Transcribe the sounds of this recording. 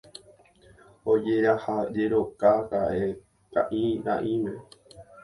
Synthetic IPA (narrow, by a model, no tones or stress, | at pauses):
od͡ʒe̞ɾahad͡ʒe̞ɾokakaʔe | ka̰ʔĩɾa̰ʔĩmẽ